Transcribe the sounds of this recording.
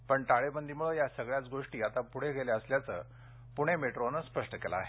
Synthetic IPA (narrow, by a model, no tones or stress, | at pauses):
pəɳʈaɭebənd̪imuɭəjasəɡɭjat͡sɡoʂʈiːat̪apuɽ̤eɡeleəsljat͡sə̰ː | puɽ̃emeʈɾonəspəʂʈəkela̰ɦe